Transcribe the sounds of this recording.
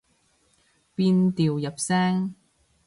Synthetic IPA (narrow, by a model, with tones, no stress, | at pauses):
piː˧nt̪iː˨wjɐ˨p̚sɛː˥ŋ